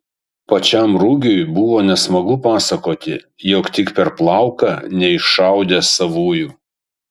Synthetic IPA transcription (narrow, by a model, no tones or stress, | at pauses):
pɐt͡ʃʲɛmɾʊɡʲʊjbʊʋoːnʲɛsmɐɡʊpɑːsɐkoːt̪ʲɪ | jɔːkt̪ʲɪkpʲɛɾplˠɑˑʊkɑnʲɛɪʃʃɑˑʊd̪ʲesɐʋuːjuː